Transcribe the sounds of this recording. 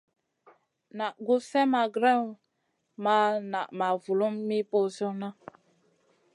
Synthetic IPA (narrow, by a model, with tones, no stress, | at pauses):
na˨ʔɡu˦sɛ˦ma˨ɡɾa˦˨ | ma˨na˨ʔma˨vu˨lu˦mːi˦po˦so˦na˦